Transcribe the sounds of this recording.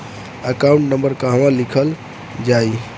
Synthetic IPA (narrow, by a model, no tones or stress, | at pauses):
əkaũɳʈnəmbəɾkaɦə̃ãlikʰəl | d͡ʒai